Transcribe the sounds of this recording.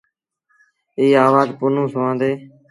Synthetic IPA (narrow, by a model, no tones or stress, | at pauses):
iːaːʋaːzpʊnũːsʊʋãːnd̪eː